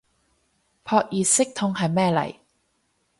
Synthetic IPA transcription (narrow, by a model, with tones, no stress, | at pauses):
pʰɔː˧k̚jiː˨˧sɪ˥k̚t̪ʰʊ˧ŋhɐ˨jmɛː˥˩lɐ̰˨˩j